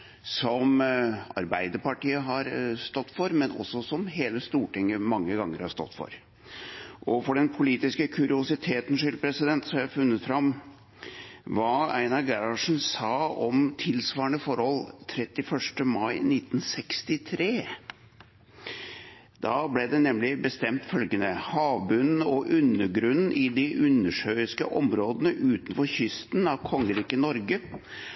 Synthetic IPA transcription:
sɔmɑ̰ɾbæɪd̪əɾpɑʈiːəɦɑɾst̪ɔt̪ːfɔɾmɛnʔɔ̰sːɔsɔmɦeːləst̪uːʈɪŋːəmɑŋːəɡɑŋːəɾhɑʂst̪ɔ̰t̪ːfɔ̰ɾ | ʔɔfɔɖɛnpʰʊliːt̪ɪskəkʰʉɾɪʊsɪt̪ʰeːt̪n̩ʂɪlpʰɾɛsɪd̪ɛnt̪sɔmæfʉnːət̪fɾɑm | ʋɑːæ̰ɪnɑɡæɾɑʂn̩sɑːɔmt̪ʰɪlsʋɑːɾəɳəfɔɾhɔlt̪ʰɾɛt̪ːɪfœʂʈəmɑɪnɪt̪ːn̩sɛkst̪ɪt̪ʰɾeː | d̪̥ɑːblɛd̪ɛnɛmlɪbəst̪ɛmt̪fœlɡənəhɑːʋbʉnn̩ɔʔʉnːəɡɾʉnn̩ʔɪd̪ɪʔʉnːəʂœʏɪskəʔɔmɾoːd̪ənəʔʉːt̪nfɔɾçʏst̪nɑʋkʰɔŋːəɾiːkənɔɾɡə

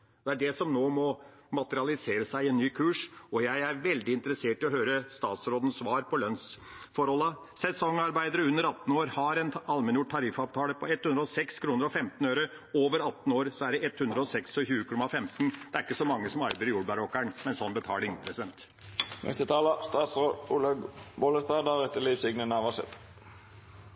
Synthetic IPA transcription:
d̪ɛæɖɛsɔmnoːmɔmɑt̪əɾɪɑlɪseːɾəsæɪɛnːyːkʰʉːʂɔjæɪæɾʋɛld̪ɪɪnt̪əɾəseːʈːɪlɔɦøːɾəst̪ɑːt̪sɾoːd̪ən̩sʋɑːɾpɔlœnsfɔɾhɔlːə | sɛsɔŋːɑɾbæɪd̪əɾəʉnːəɾɑt̪ːn̩oːɾhɑɾɛnɑlmənjʊʈ̚ʈʰːɑɾɪfɑʋt̪ʰɑːləpʰɔɛt̪ːhʉndɾəɔsɛkskʰɾuːnəɾɔfɛmt̪n̩œʏɾə | oːʋəɾɑt̪ːn̩oːɾsɔæɖɛɛt̪hʉnd̪ɾəɔsɛksɔçʉːəkʰɔmɑfɛmt̪nd̪̥ɛæɾɪkːəsɔmɑŋːəsɔmɑɾbæɪəɾjuːɖbɑɾɔkːæɳmɛnsɔnːbət̪ʰɑ̰ːlɪŋpʰɾɛsɪd̪ɛnt̪ | mɛ̰st̪ət̪ʰɑːlɑst̪ɑːt̪sʁoːd̪ulɑɡbɔləst̪ɑːd̪ɑʁɛt̪ːəliːʋsɪɡnənɑʋɑsɛ̰t̪

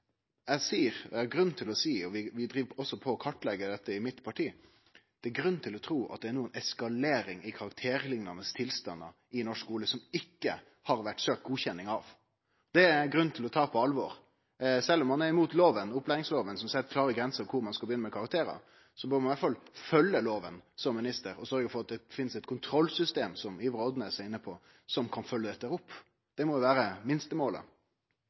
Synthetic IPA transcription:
æsiːɾæɡɾʉnːt̪ʰɪlɔsiːɔʋɪʋɪd̪ɾiːʋɔsːɔpʰɔɔkʰɑʈːlɛɡəd̪ɛt̪ːəɪmɪt̪pʰɑʈʰiː | d̪̥ɛæɾɡɾʉnːt̪ʰɪlɔt̪ʰɾuːʔɑ̰t̪̚d̪ɛænuːənɛskɑleːɾɪŋɪkʰɑɾɑk̚t̪ʰeːɾlɪŋnɑnəst̪ʰɪlst̪ɑ̰nːɑ̰ | ɪnɔʂkuːləsɔmɪkːə̰ | hɑɾʋæʈːsøːk̚t̪̚ɡuːçɛnːɪŋɑʋ | d̪ɛæɡɾʉnt̪ʰɪlɔt̪ʰɑːpʰɔɑlʋɔɾ | sɛlːɔmːɑnæɾɪmuːt̪loːʋənʊplæɪʋɪŋsloːʋənsɔmsɛt̪ːəkʰlɑːɾəɡɾɛnsəkʰʊɾmɑnskɑlbəjʏnːəmɛkʰɑɾɑkt̪ʰeːɾə̰ | sɔbøɾmɑnʋæʈfɑlfœlːəloːʋənsɔmːɪnɪst̪əɾɔsœɾɡəfɔɾɑt̪̚d̪ɛfɪnːsɛt̪̚kʰʊnt̪ʰɾɔlsʏst̪eːmsɔmiːʋəɾɔd̪nəæsæɪnːəpʰɔ | sɔmkʰɑnfœlːəɛt̪d̪əɾʊpː | d̪̥ɛmɔd̪ʊʋæːɾəmɪnst̪əmoːlə̰

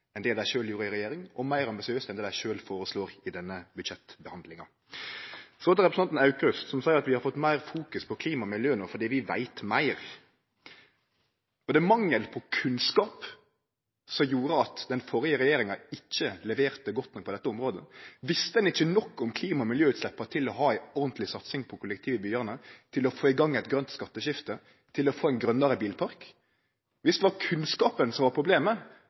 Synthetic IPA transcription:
ɛnd̪eːd̪æɪʃøːljuːɾəɪɾɛjeːɾɪŋɔmæɪɾɑmbɪsɪøːsɛnd̪ɛːd̪æɪʃøːlfoːɾəsloːɾɪd̪ɛnːəbʉd̪ʃɛt̪bəhɑnd̪lɪŋɑ | sɔɔt̪əɾɛpɾəsɑt̪n̩ɑʉkɾʉst̪sɔmsɑːəɾɑt̪ʋɪhɑɾfɔt̪ːmæɪʁfuːkʉspʰɔkʰliːmɑmɪljøːənofɔd̪iːʋɪʋæ̰ɪt̪mæɪɾ | ɔd̪ɛmɑŋːəlpʰɔkʰʉnskɑːp | sɔmjuːɾəɑt̪d̪ɛnfɔɾɪəɾɛjeːɾɪŋɑɪçːəlɛʋeːʁt̪əɡɔt̪nɔk̚pʰɔd̪ɛt̪ːəɔmʁoːd̪əʋɪst̪əd̪ɛnɪçːənɔkːɔmkʰliːmɑɔmɪljøːʉːt̪slɛpːəʁt̪ʰɪlɔɦɑːæɪɔʁnt̪ʰlɪsɑt̪sɪŋpʰɔkʰʊlːəkt̪ʰiːʋɪbyːəʁnət̪ʰɪlɔfoːɪɡɑŋːæɪt̪ɡɾœnt̪skɑt̪ːəɕɪft̪ə | t̪ʰɪlɔfoːæɪnɡɾœnːəɾəbiːlpʰɑɾk | ʋɪsd̪ɛʋɑkʰʉnskɑːpənsɔmʋɑpʰɾʊbleːmə

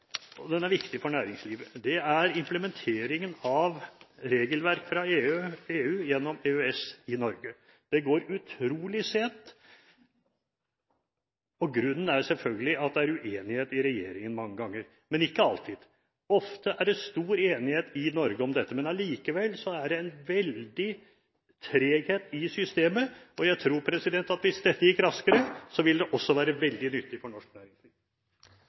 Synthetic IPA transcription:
ɔd̪ɛnæɾʋɪkt̪ɪfɔɳæːɾɪŋsliːʋəd̪ɛæɾɪmpləmɛnt̪ʰeːɾɪŋənɑʋɾeːɡəlʋæɾkfɾɑeːøeːʉːjɛnːɔmeːøɛsɪnɔɾɡə | d̪̥ɛɡoːɾʉt̪ʰɾuːlɪseːt̪ | ɔɡɾʉnːn̩æsɛlfœlɡəlɪɑt̪̚d̪ɛæɾʉʔeːnɪheːt̪ɪɾɛjeːɾɪŋənmɑŋːəɡɑŋːəɾ | mɛnɪkːəɑlt̪ʰɪd̪̥ | ɔft̪əʔæɖɛst̪uːɾeːnɪheːt̪ɪnɔɾɡəɔmd̪ɛt̪ːəmɛnɑliːkəʋɛlsɔæɖɛɛnʋɛld̪ɪ | t̪ʰɾeːɡheːt̪ɪsʏst̪eːməɔjæɪt̪ʰɾuːɾpʰɾɛsɪd̪ɛnt̪ɑt̪ʋɪsd̪ɛt̪ːəjɪkːɾɑskəɾəsɔʋɪld̪ɛʔɔsːɔʋæːɾəʋɛld̪ɪnʏt̪ːɪfɔɳɔʂknæːɾɪŋsliːʋ

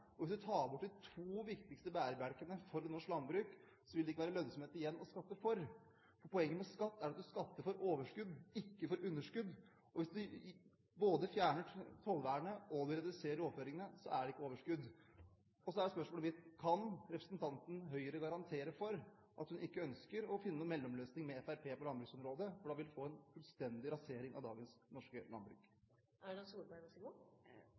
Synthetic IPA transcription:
ɔʋɪsd̪ʉt̪ʰɑːɾbɔʈːd̪ɪt̪ʰʋuːʋɪkt̪ɪkst̪əbæːɾəbæɾkənəfɔɾɛnɔʂklɑnbɾʉːk | sɔʋɪld̪ɛɪkːəʋæːɾəlœnsɔmheːt̪ɪjɛnːɔskɑt̪ːəfɔɾ | fɔɾpʰɔɛŋːəpɔskɑt̪ːæɾɑt̪̚d̪ʉskɑt̪ːəɾfɔɾoːʋəʂkʉd̪ɪkːəfɔɾʔʉnːəʂkʉd̪ | ʔɔʋɪsd̪ʉ | boːd̪əfjæːɳət̪ʰɔlʋæːəɳəʔɔd̪ʉɾɛd̪ʉseːɾəɾoːʋføːɾɪŋənəsɔ̰ʔæɖɛɪkːəoːʋəʂkʉd̪ː | ɔsɔæɖɛspœʂmoːləʋɪt̪kʰɑnɾɛpɾəsənt̪ʰɑnt̪n̩ɦœʏəɾəɡɑɾɑnt̪ʰeːɾəfɔɾ | ʔɑ̰t̪hʉnɪkːəœnskəɾɔfɪnənuːmɛlːɔmløːsnɪŋmɛɛfæɾpʰeːpɔlɑnbɾʉksɔmɾoːd̪əfɔɖɑːʋɪlfoːɛnfʉlst̪ɛnd̪ɪɾɑseːɾɪŋɑ̰d̪ɑ̰ːɡənsnɔʂkəlɑ̰nbɾʉ̰k | æɛsuːɾbæʋɛɡu

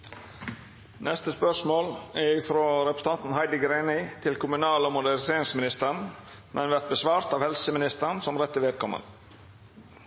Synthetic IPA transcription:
nʔɛst̪əspœʂmoːlɛɾɪfɾoːɾɛpɾə̥səɑnt̪n̩hæɪd̪əɡɾeːnɪt̪ʰɪlkʰʊmʉnɑːlɔːmʊd̪æɾseːɾɪŋsmɪnɪst̪əɳ | mʔɛnʋæɾt̪̚bəsʋɑːɾt̪ɑːʋhɛlsəmɪnɪst̪əɳsɔmɾɛt̪ːəʋeːd̪̚kʰɔmə̰n

